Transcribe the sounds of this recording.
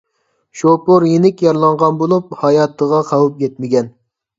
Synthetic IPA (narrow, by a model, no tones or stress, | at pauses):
ʃopoɾjenɪkʲjɑɾlˠɑɴʁɑnbolˠup̚hɑjɑt̪ʰːəʁɑqʰɑwup̚jʲɛt̪mɪɡʲɛn